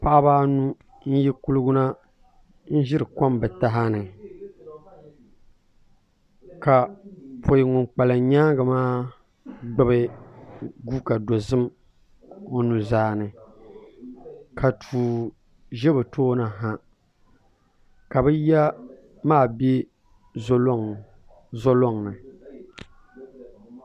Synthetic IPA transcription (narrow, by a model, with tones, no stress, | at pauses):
pa˦ʔbaː˦nu˦ | n̩˦jɛ˦ku˦lɨ˦ɡʊ˦na˦ | n̩˦ʒɪ˦ɾɨ˨ka˦mbɨ˨ta˦ɦa˦nɨ˨ | ka˨pʰo˨ji˨ŋʊ˨ŋk͡pa˨lɨ˨ɲaː˦ŋɡa˨maː˦ | ɡ͡bɛ˦bɨ˦ | ɡu˦ka˨do˨zɨ˦m | o˦nu˨zaː˦nɨ˨ | kʰa˨tʰuː˨ | ʒɛ˦bɨ˨tʰoː˦na˨ɦa˦ | ka˨bɨ˦ja˦ | maː˦˨be˦ | zlŋ | zɔ˦lɔ˦ŋnɨ˨